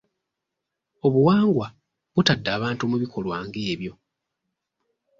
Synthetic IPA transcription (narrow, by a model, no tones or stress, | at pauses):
o̞βuwaːŋɡwa | βutadːaːβaːntumuβikʰo̞lwaːŋɡe̞ːβjo̞